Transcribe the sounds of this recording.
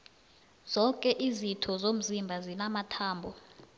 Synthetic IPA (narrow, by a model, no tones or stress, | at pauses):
z̥ɔkʼɛʔizitʰɔzom̩zimbʱazinamatʰaːmbʱɔ